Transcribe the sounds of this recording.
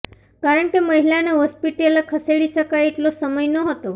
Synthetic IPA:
kaɾəɳkeməɦilaneɦɔspiʈelkʰəseɽiʃəkajeʈlosəməjnoɦət̪o

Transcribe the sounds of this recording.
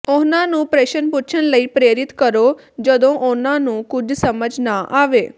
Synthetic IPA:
ʊnãːnũːpɾeːʃənpʊːt͡ʃʰənləiːpɾeːɾɪt̪kəɾoː | d͡ʒəd̪õːʔʊnãːnũːkʊd͡ʒʱsəməd͡ʒʱnaʔaːʋeː

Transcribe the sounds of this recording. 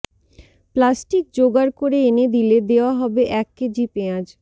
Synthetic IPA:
plasʈik̚d͡ʑoɡaɾkoɾeened̪iled̪eoaɦɔbeʔɛkːed͡ʑipeãd͡ʑ

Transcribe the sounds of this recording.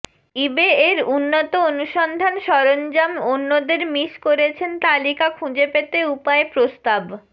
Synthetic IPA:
ibeeɾunːot̪oonuʃɔnd̪ʱanʃɔɾond͡ʑamonːod̪eɾmiʃkoɾet͡ɕʰent̪alikakʰũd͡ʑepet̪eupaepɾost̪ab

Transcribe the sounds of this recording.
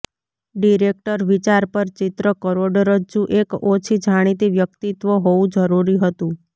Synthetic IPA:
ɖiɾek̚ʈəɾʋit͡ʃaɾpəɾt͡ʃɪt̪ɾəkəɾoɖəɾəd͡ʒũʔekot͡ʃʰid͡ʒʱaɽ̃it̪̬iʋjəkt̪it̪ʋoɦoʋũd͡ʒəɾuɾiɦət̪ũ

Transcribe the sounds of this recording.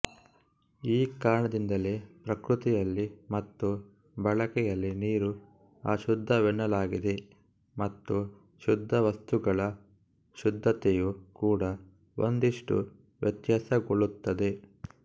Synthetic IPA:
iːkaːɾɳɐd̪ind̪ɐlepɾɐkɾut̪ijɐlːimɐt̪ːu | bɐɭɐkɛjɐlːiniːɾu | aːʃud̪ʱːɐʋɛɳːɐlaːɡid̪e̞ | mɐt̪ːu | ʃud̪ʱːɐʋɐst̪uɡɐɭɐ | ʃud̪ʱːɐt̪ɛjukuːɽɐ | ond̪iʂʈṵ | ʋjɐt̪jasɐɡoɭut̪ːɐd̪e̞

